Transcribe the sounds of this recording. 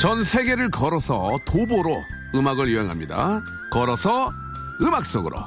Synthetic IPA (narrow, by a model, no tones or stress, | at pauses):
t͡ɕʌnsʰe̞ɡe̞ɾɯɭkʌɾʌsʰʌtoboɾo | ɯmaɡɯɭjuɦeŋɦamɲida̰ | kʌɾʌsʰʌ | ɯmak̚s͈oɡɯɾʔo̰